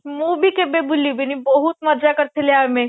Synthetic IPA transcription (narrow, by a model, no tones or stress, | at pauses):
mubʱikebebʊliubʱenibɐɦut̪mɐɾd͡ʒakɐɾt̪ʰeleaːmẽ